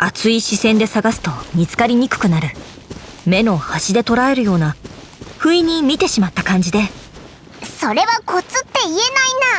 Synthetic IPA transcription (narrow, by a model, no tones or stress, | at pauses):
at͡sɨiɕisẽ̞nd̪e̞saɡasɨ̥t̪o̞mʲit͡sɨ̥kaɾʲiɲ̟ikɯ̟̥kɯ̟naɾɯ̟ | me̞no̞haɕid̪e̞t̪o̞ɾae̞ɾɯ̟jo̞ːna | ɸɯ̟iɲ̟imʲit̪e̞ɕimat̪ːakãɲ̟d͡ʑid̪e̞ | so̞ɾe̞βako̞t͡sɨt̪ːe̞ie̞naina